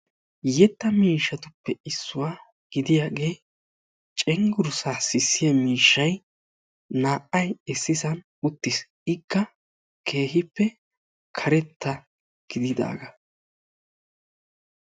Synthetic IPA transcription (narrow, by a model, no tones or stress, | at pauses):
jɛt̪ːɐmiːʃːɐt̪ʊpːɛɪsːʊwaː | ɡ̥ɪd̪ɪjaːɡe̞ː | t͡ʃʼɛŋɡʊɾsasɪsːɪjɐmiːʃːɐj | naːʔɐjɪsːɪsɐn | ʊt̪ːɪs | ɪkːɐ | kʰe̞ːɦɪpːɛ | kʰɐɾɛt̪ʰːɐ | ɡ̥ɪd̪ɪd̪a̰ːɡɐ